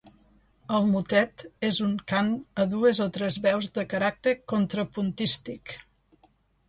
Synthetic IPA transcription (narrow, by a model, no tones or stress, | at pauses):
əlˠmut̪ɛt̪ezuŋkanəðuezot̪ɾɛzβɛwzðəkəɾak̚t̪əɾkont̪ɾəpunt̪ist̪ik